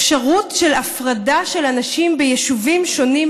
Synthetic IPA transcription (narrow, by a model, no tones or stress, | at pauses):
ʃaʁutʃe̞lafʁadaʃe̞lanaʃimbejeʃuvimʃo̞nim